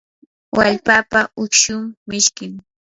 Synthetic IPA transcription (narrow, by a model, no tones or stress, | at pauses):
waʎpaːpaʊkʃʊmmɪʃkɪŋ